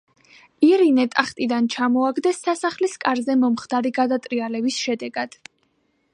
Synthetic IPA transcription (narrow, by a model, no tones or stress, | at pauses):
iɾinɛt̪ʼaχt̪ʼid̪ant͡ʃʰamɔaɡd̪ɛsːasaχliskʼaɾzɛmɔmχd̪̥aɾiɡad̪at̪ʼɾialɛbisʃɛd̪ɛɡad̪̥